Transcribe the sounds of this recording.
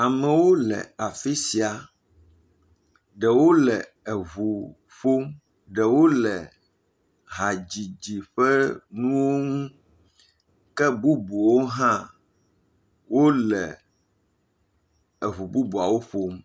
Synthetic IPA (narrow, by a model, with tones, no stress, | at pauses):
a˨mɛ̃˨wo˦lɛ̰˨a˨fi˦si˨a˨ | ɖɛ˨wo˦lɛ˨ | e˨βu˨ | ɸo˦m | ɖɛ˨wo˦lɛ˨ | ɦa˨d͡ʑi˨d͡ʑi˨ɸɛ˦nũ˦wo˦ŋũ˦ | kɛ˦bu˦bu˨wo˦ɦã˦ | wo˦lɛ̰˨ | e˨βu˨bu˦bu˨a˨wo˦ɸo˦m